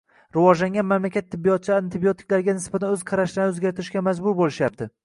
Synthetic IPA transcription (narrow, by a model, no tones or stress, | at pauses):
ɾɪvɒd͡ʒlaŋʲɡʲanmamlakʲat̪ʰːɪbːijɒt̪̚t͡ʃʰɪaɪnt̪ʰɪbiot̪ʰɪ̥kʲlaɾɡʲanɪsbat̪ʰanɵz̥qʰɑɾaʃlaɾnɪɵzɡʲaɾt̪ʰɪɾɪʃɡʲamad͡ʒbʊɾbolɪʃjap̚t̪ʰɪ